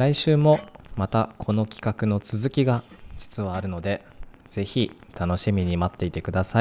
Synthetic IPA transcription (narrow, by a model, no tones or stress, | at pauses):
ɾaiɕɨːmo̞mat̪akʰo̞no̞kʲi̥kakɯ̟no̞t͡sɨzɨkʲiɡad͡ʑi̥t͡sɨβaːɾɯ̟no̞d̪e̞ | z̥e̞çit̪ʰano̞ɕimʲiɲ̟imat̪ːe̞it̪e̞kɯ̟d̪asai